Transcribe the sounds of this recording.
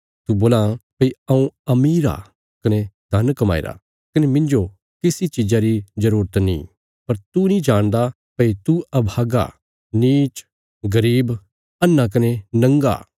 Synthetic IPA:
t̪uboːlãpɐiɐũɐmiːɾa̰ | kɐned̪ʱɐnkɐma̰ːḭɾa̰ | kɐnemɪ̃nd͡ʒo | kɪsit͡ʃid͡ʒaɾizɐɾuːɾət̪nḭ̃ː | pɐɾt̪unĩd͡ʒaːɽ̃d̪a | pɐit̪uɐbʱaːɡa̰ | niːt͡ʃ | ɡɐɾiːb | ɐnːãk̬ɐnenɐ̃ŋɡa̰ː

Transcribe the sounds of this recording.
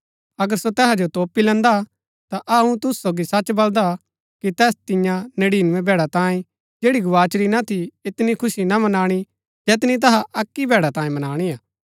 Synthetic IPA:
ɐɡəɾsot̪ɛːɦad͡ʒot̪oːpilɛ̃nd̪a | t̪aʔɐũt̪ʊssoːɡisɐt͡ʃbɐld̪a | kit̪ɛːst̪ɪ̃jãnɐɽiːnʋẽbʱɛːɽat̪ãːĩ | d͡ʒeːɽiɡʊʋaːt͡ʃɾinat̪ʰiɪt̪nikʰʊsinamɐnaːɽ̃i | d͡ʒɛːt̪nit̪̬ɐɦaʔɐkːibʱɛːɽat̪ãːĩmɐnaːɽ̃iaː

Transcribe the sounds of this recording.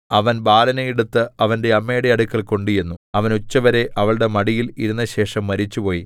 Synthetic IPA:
ɐʋɐnbaːlɐnɐjiɽut̪ːɨɐʋɐnde̞ɐmːe̞ːɽeɐɽukːɐɭko̞ɳɖijunːuɐʋɐnut͡ɕːɐʋɐɾe̞ʔɐʋɐɭɨɽe̞mɐɽijiliɾunːɐɕe̞ːʂɐmːɐɾit͡ɕːupo̞ːji

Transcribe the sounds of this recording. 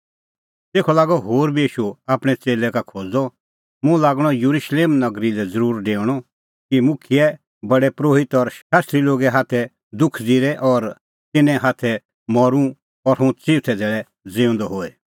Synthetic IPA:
t̪eːkʰɔlaːɡɔɦoːɾbiiːʃuaːpɽ̃ɛt͡seːlɛkakʰoːd͡zɔ | mũlaːɡɽ̃ɔjuɾuʃleːmnɐɡɾilɛd͡zəɾuːɾɖeːɽ̃ɔ | kimʊkʰiɛ | bɐɽɛpɾoːɦɪt̪ɔɾaːst̪ɾiloːɡɛɦaːt̪ʰɛ | d̪ʊkʰd͡ziɾɛʔɔɾ | t̪ɪnɛ̃ɦaːt̪ʰɛ | mɔɾũ | ɔɾɦũt͡siːt̪ʰɛd̪ʱeːɭɛ | d͡zeːʊ̃nd̪ɔɦoːɛ

